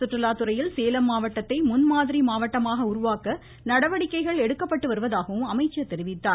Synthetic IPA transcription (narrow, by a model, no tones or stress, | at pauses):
sʊʈrɐlaːt̪ɯɾɐjɪlseːlɐmːaːʋɐʈːɐt̪ːɐɪmʊnmaːðɪɾimaːʋɐʈːɐmaːɣɐʊɾʊʋaːkɐ | nɐɽɐʋɐɽɪkːɐɪɣɐɭɛɽɯkːɐpːɐʈːɯʋɐɾɯʋɐðaːɣɐʋɯmɐmɐɪt͡ʃːɐt̪ːɛɾɪʋɪt̪ːaːɾ